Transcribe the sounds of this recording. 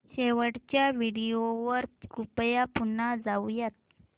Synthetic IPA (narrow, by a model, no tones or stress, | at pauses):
ɕeʋəɽt͡ɕjaʋiɽijoʋəɾkupjapunːad͡zawjat̪̚